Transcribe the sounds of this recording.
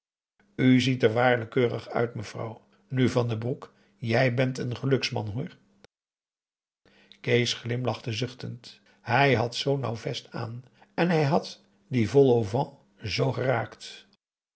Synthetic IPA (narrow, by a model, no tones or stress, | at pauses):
yzitəɹʋaːɹləkøːrə̰χœ̰ɥtməv̥rɑ̰w | nyvɑndəbruk | jɛjbɛntənχəlɵksmɑ̰nɦuːɹ | kejsχlɪmlɑχtəzɵχtənt | ɦɛjɦɑtsownɑ̰wvɛsta̰ːn | ɛnɦɛjɦɑt | divɔlˠovɑ̃ | zowχəraːkt